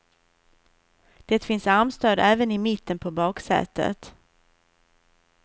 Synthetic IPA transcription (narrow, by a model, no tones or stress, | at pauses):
d̪̥ɛt̪fɪnsaɾmst̪øːd̪æːvənɪmɪt̪ʰːənpʰɔbɑːksɛ̰ːt̪ːə̰t̪